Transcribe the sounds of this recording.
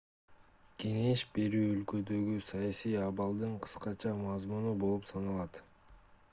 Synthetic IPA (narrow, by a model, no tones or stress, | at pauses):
kʰe̞ŋe̞ʃbe̞ɾyːølkø̞d̪ø̞ɡysɑjɑsijɑβɑlˠd̪ɯɴqʰɯ̥sqɑt͡ʃɑmɑzmunubo̞lˠupsɑnɑlˠɑt̪